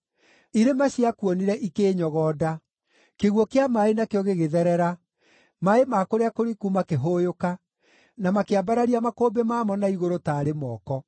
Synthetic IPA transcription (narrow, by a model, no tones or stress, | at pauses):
iɾemaɕiakuɔniɾɛʔikeːɲɔɣɔːda | keɣwɔkeamaenakeɔɣeɣeðɛɾɛɾa | maemakoɾeakoɾikumakeɦoːjoka | namakeabaɾaɾiamakoːbemaːmɔnaiɣoɾotaːɾemɔːkɔ